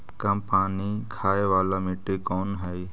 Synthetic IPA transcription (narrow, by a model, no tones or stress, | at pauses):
kɐmpaːnikʰaːeʋaːlaːmɪʈekoːnɦɛi